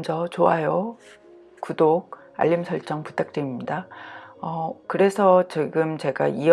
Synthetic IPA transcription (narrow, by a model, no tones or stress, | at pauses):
nd͡ʑʌt͡ɕoajo | kudoɡ̚ | a̰ʎːimsʰʌɭt͡ɕ͈ʌŋpu̥t͈ʰak̚t͈weimɲidaʌkɯɾe̞sʰʌt͡ɕiɡɯmt͡ɕe̞ɡa̰i